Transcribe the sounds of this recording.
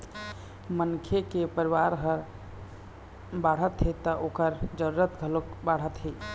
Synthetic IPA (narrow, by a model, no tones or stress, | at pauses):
mənkʰekepəɾiʋaɾɦəɾ | baɽ̤ət̪ɦet̪ɔʔokəɾd͡ʒəɾuɾət̪ɡʱəlokbaɽ̤ət̪ɦe